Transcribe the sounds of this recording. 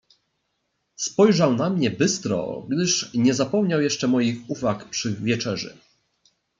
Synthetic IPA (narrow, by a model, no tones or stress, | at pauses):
spɔjʐawnamɲɛbɘst̪ɾɔ̰ɡd̪ɘʂɲɛzapɔmɲawjɛʂt͡ʂɛmɔjixuvakpʂɘvʲjɛt͡ʂɛʐɘ̰